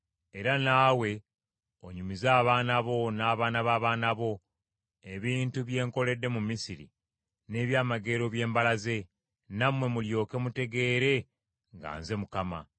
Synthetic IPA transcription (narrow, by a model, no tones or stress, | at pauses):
e̞ɾanaːwe̞ | oɲumizaːβaːnaβo̞naːβaːnaβaːβaːnaβo̞ | e̞βiːntuβje̞ːŋko̞le̞dːe̞mumisiɾḭ | ne̞ːβjaːmaɡe̞ːɾo̞βje̞ːmbalaze̞ | namwe̞muljo̞ːke̞mute̞ɡe̞ːɾe̞ | ŋɡa̰ːnze̞mukama̰